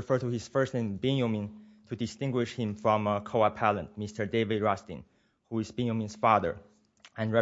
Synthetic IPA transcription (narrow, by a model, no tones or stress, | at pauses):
ifɜ˞tuhɪz̥fɜ˞stɨ̃nbɪ̃njomĩn | tʰɨdɨstɪ̃ŋɡwɪʃhɪ̃mfɹʌ̃məkʰoʊapʰælə̃ntmɪstə˞deɪvɪdɹɔstɪ̰̃n | huɪzbɪ̃njə̃mĩnz̥fɑðə̰˞ | ɨ̃nɹɛ